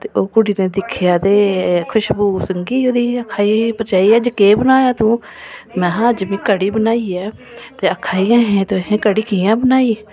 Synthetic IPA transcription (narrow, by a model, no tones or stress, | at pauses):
t̪eːʔoːkʊɽiːneːd̪ɪkʰjaːt̪eːkʰʊʃbuːsəŋɡiːoːd̪iːəkʰaːĩːpət͡ʃaːiːɛːd͡ʒəkeːbənaːjaːt̪ũː | mɛ̃ːɦãəd͡ʒmĩːkəɽiːbənaːiːɛː | t̪eːəkʰaːijãːɦẽːt̪oːɦẽːkəɽiːkijãːbənaːiː